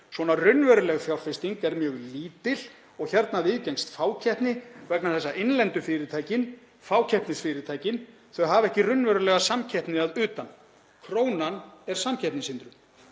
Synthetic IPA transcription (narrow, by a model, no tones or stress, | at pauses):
svɔnarʏnːvœɾʏlɛɣθjawr̥fɪst̪iŋkɛɾmjœːɣliːt̪ɪl̥ | ɔɣçɛɾt̪naðiːðcɛŋst̪faːwcʰɛhpnɪvɛknaθɛsːaʔɪnlɛnt̪ʏfɪɾɪt̪ʰaːjcɪn | faːwcʰɛhp̪nɪsfɪɾɪt̪ʰaːjcɪn | θœɣɦavɛhcɪrʏnvœɾʏlɛɣasamcʰɛhpnɪaðʏːt̪an | kʰɾoːwnanɛɾ̥samcʰɛhpnɪsɪnt̪ɾʏ